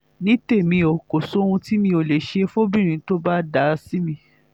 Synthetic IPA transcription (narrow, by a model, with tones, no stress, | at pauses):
nĩ˨˦te˦˨mĩ˧o˨ko˨so˨˦ũ˧ti˦mĩ˧o˨le˨ʃe˧fo˦bĩ˦˨ɾ̃ĩ˨˦to˦ba˦da˨˦si˦mĩ˧